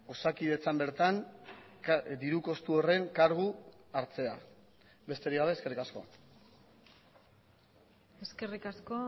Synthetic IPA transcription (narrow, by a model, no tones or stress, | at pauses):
o̞sakiðe̞t͡sambe̞ɾt̪an | d̪iɾuko̞st̪uo̞re̞ŋkaɾɣ̞uaɾt͡se̞a | be̞st̪e̞ɾiɣaβe̞ːske̞rikasko̞̰ | eske̞rikasko